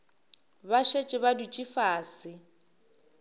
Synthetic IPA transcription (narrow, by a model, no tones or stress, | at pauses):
baʃet͡ʃʼɪβadut͡ʃʼifaːsɪ